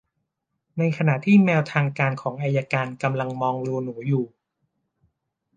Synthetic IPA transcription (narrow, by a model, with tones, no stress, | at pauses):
na˧jkʰa˧na˨˩ʔt̪ʰiː˥˩mɛː˧wt̪ʰaː˧ŋkaː˧nkʰɔː˩˦ŋʔaː˧jːaː˧kaː˧nka˧mla˧ŋmɔː˧ŋlu˧nuː˩˦juː˨˩